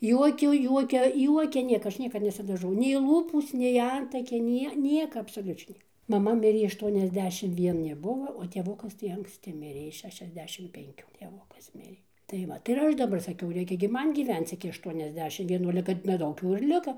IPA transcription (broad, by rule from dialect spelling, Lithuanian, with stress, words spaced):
ˈjuɔkʲʊ ˈjuɔkʲɛ ˈjuɔkʲɛ ˈnʲiɛkɐ ˈɐʃ ˈnʲiɛkɐt nʲɛsʲɪdɐˈʒɐʊ nʲɛɪ ˈlˠuːpuːs nʲɛɪ ˈɐntɐkʲɛɪ ˈnʲiɛ ˈnʲiɛkɐ ɐpsoːˈlʲʊt͡ʃʲɛɪ ˈnʲiɛkɐ mɐˈmɐ ˈmʲɪrʲeː ɐʃˌtuɔnʲɛzʲˈdʲæːʃʲɪm ʋʲiɛˈnʲɪ ˈbʊʋɐ oː tʲeːˈʋʊkɐs tɐɪ ɐŋksʲˈtʲɪ ˈmʲɪrʲeː ˈɪs ˌʃʲæːʃʲɛzʲˈdʲæːʃʲɪm pʲɛŋʲˈkʲuː tʲeːˈʋʊkɐs ˈmʲɪrʲeː tɐɪ ˈʋɐt ɪr ˈɐʃ dɐˈbɐr sɐˈkʲɛʊ ˈrʲɛɪkʲɛ ɡʲɪ ˈmɐn ɡʲiːˈʋʲɛnt͡s ɪkʲɪ ɐʃˌtuɔnʲɛzʲˈdʲæːʃʲɪm ʋʲiɛˈnuː ɐlʲɛ ˈkɐt nʲɛˈdɐʊk jɛʊ ɪr ˈlʲɪkoː